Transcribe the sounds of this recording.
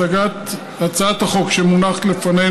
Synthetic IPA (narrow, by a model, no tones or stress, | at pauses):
aɡat̪ | at͡saat̪haχo̞kʃemunaχt̪lefane